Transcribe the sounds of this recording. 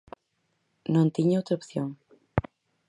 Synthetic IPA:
nõnt̪iɲaowt̪ɾɐopθjoŋ

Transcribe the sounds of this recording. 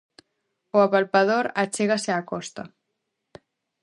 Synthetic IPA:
oapalpað̞oɾat͡ʃeɣaseakɔst̪a

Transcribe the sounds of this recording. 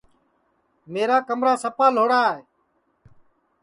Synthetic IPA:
meːɾaːkəmɾaːsəpaːl̤oːɽaːɦeː

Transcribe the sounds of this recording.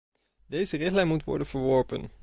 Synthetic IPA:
dejzərɪχtlɛjnmutʋɔ̰ɹdənv̥əɹʋɔɹpə̰n

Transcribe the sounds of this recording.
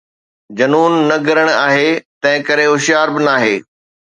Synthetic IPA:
d͡ʑɐnuːnːɐɡʱɐɾəɽ̃aːɦet̪ɐ̃ɦɪ̃kɐɾeɦʊʃjaːɾbɪnaːɦeː

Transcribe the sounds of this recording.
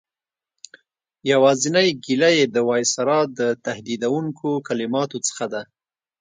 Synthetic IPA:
jawɑzɪnajɡilajed̪əwɑjsaɾɑd̪ət̪ahd̪id̪awuŋkʰokalɪmɑt̪ot͡sə̥xad̪a

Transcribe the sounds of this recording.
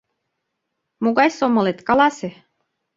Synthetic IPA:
muɡɑjsomːɤ̆let̪kɑlɑsʲe

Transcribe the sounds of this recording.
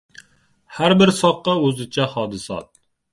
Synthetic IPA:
hæɾbɪɾsɑqːɑøzɪt͡ʃʰɛhɑːd̪ɨsɑ̰t̪̚

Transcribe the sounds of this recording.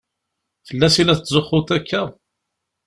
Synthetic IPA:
fəlːæsilæθt̪ːzʊχːʊt̪ækːæˤ

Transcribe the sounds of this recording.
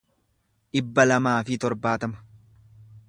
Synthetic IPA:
ʔɪbːɐlɐmaːfɪt̪ɔɾbaːt̪ɐmɐ̥

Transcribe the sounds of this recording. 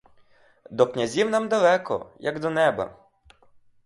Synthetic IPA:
d̪ɔknʲɐzʲiwnamd̪ɐlˠɛkɔ̰jɐɡd̪ɔnɛbɐ̰

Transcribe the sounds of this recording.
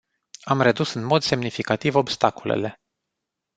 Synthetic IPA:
amre̞d̪usɨnmo̞d̪se̞mnifikat̪ivo̞bst̪akolḛle̞

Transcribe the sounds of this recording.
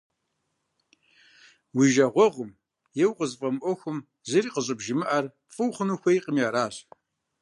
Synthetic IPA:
wiʒɐʁʷɔʁʷʊm | jɛwqʼəzfʼɐmʔʷɔxʷʊm | zɨriːqəɕʼɨbʒɪmɨʔar | fʼɨwχənuxʷejqəmjaːɾaːɕ

